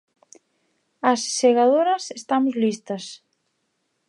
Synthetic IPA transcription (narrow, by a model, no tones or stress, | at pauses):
ɐsseɣaðoɾɐsest̪amozlist̪ɐs